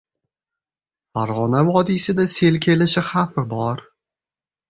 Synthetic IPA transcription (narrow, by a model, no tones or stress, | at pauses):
faɾʁɒnavɒd̪isɪd̪ase̞lkʲʰe̞lɪʃɪχafɪbɒɾ